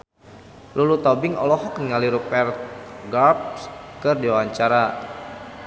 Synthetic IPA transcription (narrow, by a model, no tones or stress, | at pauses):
lulut̪ɔbɪŋɔ̰lɔhɔkənŋaliɾupɛrt̪̚ɡarp̚skərdiwaɲt͡ʃaɾa